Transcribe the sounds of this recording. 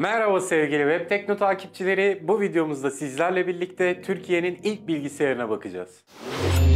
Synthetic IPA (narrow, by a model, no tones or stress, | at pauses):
mæɾavasɛvɟilʲivɛp̚t̪ʰɛcno̞t̪ʰaːcʰip̚t͡ʃʰilʲe̞ɾɪbuvid̪ejo̞muzd̪asizlʲæɾlʲɛbiɾlʲic̚t̪ʰɛt̪ʰyɾcʰije̞ninilʲc̚bilʲɟisijaɾɯnabakʰɯd͡ʒa̰z̥